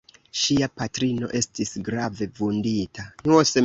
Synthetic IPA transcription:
ʃiapatɾino̞̰ʔe̞stisɡɾave̞vunditanuose

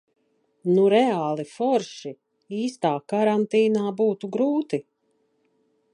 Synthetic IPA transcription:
nuɾɛaːlˠifɔɾʃi | iːst̪aːkaɾant̪iːnaːbuːt̪uɡɾuːt̪i

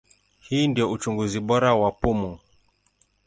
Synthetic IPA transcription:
hiːndiɔut͡ʃuŋɡuziɓɔɾawapumu

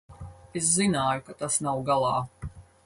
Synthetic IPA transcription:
es̬zinaːjukat̪asnawɡalˠɑː

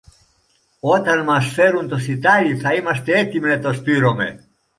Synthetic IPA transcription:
ot̪anmasfeɾunt̪osit̪ajiθaimast̪eet̪imnet̪ost̪yɾomḛ

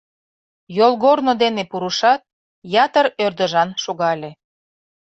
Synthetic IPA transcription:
jolˠɣornod̪enepuɾuʃɑt̪̚ | jɑt̪əɾørd̪əʒɑnʃoɣɑlʲe

